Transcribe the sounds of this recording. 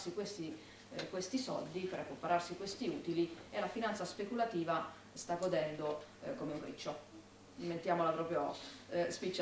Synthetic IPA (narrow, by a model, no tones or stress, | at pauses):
sikwest̪i | kwest̪isɔ̰ld̪ipeɾekːopaɾarsikwest̪iuːt̪ilielafinant̪saspekulat̪iːva | st̪aɡod̪ɛnd̪okomeuɱfɾḭt͡ʃːo | ment̪jaːmolapɾɔːpɾjospit͡ʃːa